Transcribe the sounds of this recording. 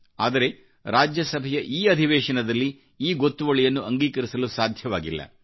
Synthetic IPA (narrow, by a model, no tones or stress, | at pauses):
aːd̪ɐɾe̞ | ɾaːd͡ʒjɐsɐbʱɛjɐʔiːɐd̪ʱiʋɛːʂɐnɐd̪ɐlːi | iːɡo̞t̪ːuʋɐɭijɐnːuɐŋɡiːkɐɾisɐlusaːd̪ʱjɐʋaːɡḭlːɐ̰